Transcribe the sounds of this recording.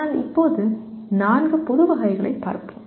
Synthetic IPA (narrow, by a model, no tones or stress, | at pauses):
aːlɪ̰pːoːðɯnaːnɡɐpɔðɯʋɐɣɐɪɣɐɭɐ̰ɪpːa̰ːɾpɯ